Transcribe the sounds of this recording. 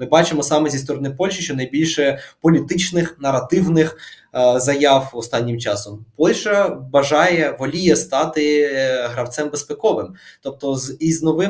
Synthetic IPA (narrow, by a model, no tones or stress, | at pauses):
mɪbɑt͡ʃɪmɔsɑmɛzʲist̪ɔɾɔnɪpɔlʲʃiʃt͡ʃɔnɐjbʲilʲʃɛpɔlʲit̪ɪt͡ʃnɪxnɐrɐt̪ɪwnɪx | zɐjɑwɔst̪ɑnʲːɪmt͡ʃɑsɔmpɔlʲʃɐbɐʒɑjɛʋɔlʲijɛst̪ɑt̪ɪɦɾɐwt̪sɛmbespekɔʋɪmt̪ɔp̚t̪ɔziznɔʋɪ